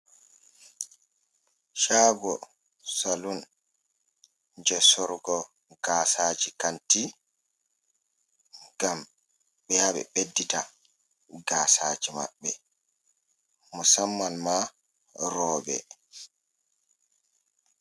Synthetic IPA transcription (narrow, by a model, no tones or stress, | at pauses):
ʃaːɡɔ | salun | d͡ʒɔsɔɾɡɔ | ɡ̥aːsad͡ʒikanti | ɡam | ɓɛjaɓɛ̰ɓedːita | ɡaːsaːd͡ʒima̰ɓːɛ | musamːalma | ɾɔːɓɛ̰